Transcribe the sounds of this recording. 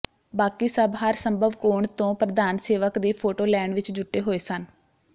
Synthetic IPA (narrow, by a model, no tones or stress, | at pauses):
baːkiːsəbɦəɾsəmbʱəʋkoːɳt̪õːpɾəd̪aːnseːʋəkd̪iːpʰoːʈoːlɛːɳɖʋɪt͡ʃd͡ʒʊʈːeːɦoːeːsən